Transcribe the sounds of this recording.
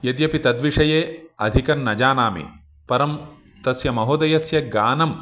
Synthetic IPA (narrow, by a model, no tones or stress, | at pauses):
jɐd̪jɐpit̪ɐd̪ʋiʂɐjeːɐd̪ʱikɐnːɐd͡ʒaːnaːmḭ | pɐɾɐm | t̪ɐsjɐmɐɦoːd̪ɐjɐsjɐɡaːnɐm